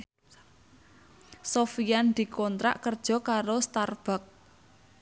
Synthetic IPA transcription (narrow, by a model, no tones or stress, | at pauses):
sofijand̪̥i̤kɔnt̪ɾa̰ʔkərd̥ʒ̥ɔ̤kaɾost̪arb̥a̤k̚